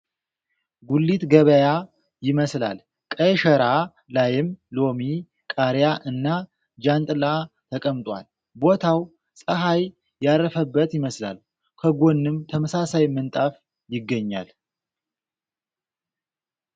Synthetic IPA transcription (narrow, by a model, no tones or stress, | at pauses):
ɡulːit̪ɡəβəja | jɪməsla̰l | kʼəjʃəɾa | lajɪmlo̞mi | kʼaɾjaʔɨnːa | d͡ʒant̪ʼɨla | t̪ʰəkʼəmt̪ʼwa̰l | bo̞t̪ʰaw | sʼəɦaj | jaɾəfəbːət̪jɪməsla̰l | kʰəɡo̞nːɨmt̪ʰəməsasajmənt̪ʼaf | jɪɡːəɲːa̰l